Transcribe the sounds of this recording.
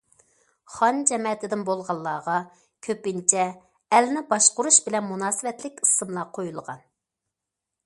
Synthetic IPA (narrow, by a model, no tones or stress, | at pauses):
χɑnd͡ʒɛmɛt̪ʰɪd̪ɪnbolˠʁɑlˠːɑːʁɑ | kʲʰøpɪnt͡ʃʰɛ | ɛlnɪbɑʃqʊɾuʃbɪlɛnmunɑːsɪvɛt̪lɪkʲi̥sɨmlˠɑqʰojulˠəʁɑ̰n